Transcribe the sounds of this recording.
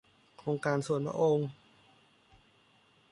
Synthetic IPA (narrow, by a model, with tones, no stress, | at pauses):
kʰɾoː˧ŋkaː˧nsu˨˩ənpʰɾa̰˧ʔo˧ŋ